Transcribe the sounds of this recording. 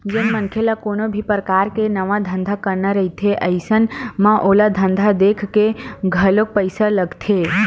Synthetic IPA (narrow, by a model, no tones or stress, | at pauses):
d͡ʒənmənkʰelakoːnobʱipəɾəkaːɾkenəʋãd̪ʱə̃nd̪ʱakəɾnaɾəɦit̪ʰeʔəɪsənmãʔoːlad̪ʱə̃nd̪ʱad̪ekʰkeɡʱəlok̚pəɪsaləɡt̪ʰe